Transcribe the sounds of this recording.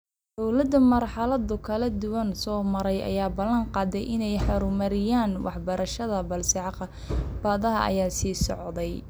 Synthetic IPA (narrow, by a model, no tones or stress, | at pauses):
d̪̥ɔwlɐd̪ɐmɐrħɑlɐd̪ʊkʰɐlɐd̪ʊwɐnsɔːmɐɾɛjʔɐ̰jaːbɐlːɐŋqɑːd̪ɛjʔɪnɛjħɑɾʊmɐɾɪjaːnwɑ̰ħbɐɾʔɐʃɐðɐbɐlsɑʕq | b̥ɐːðɐɦɐʔɐ̰jaːsiːsɔ̰ʕðɛj